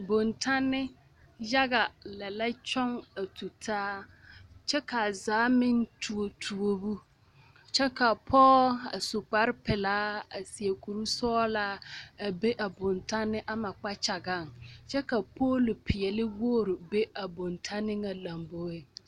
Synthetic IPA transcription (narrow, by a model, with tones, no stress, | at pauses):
bo˨ntʰa˦nːɪ˦ | ja˦ɡa˨lɛ˨la˦t͡ʃɔ˦ŋa˨tʰu˨tʰaː˦ | t͡ʃɛ˦ka˨a˨zaː˨˦mɪ˦ntu˨o˨tʰu˨o˦bu˦ | t͡ʃɛ˦ka˨pʰɔː˦a̰˨sʊ˨k͡pa˦ɾɪ˦pɪ˨laː˦a˨si˨e˨ku˨ɾu˦sɔː˦laː˦a˨be˦ʔa˨bʊ˨nta˦nːɪ˦ʔa˦ma˨k͡pa˦t͡ʃa˨ɡa˦˨ŋt͡ʃɛ˦ka˨pʰoː˦lʊ˨pʰɪ˨ɛ˨lɪ˦woː˦˨ɾɪ˨be˦a˨bo˨ntʰa˦nɪ˦ŋa˨la˨mbo˦e˨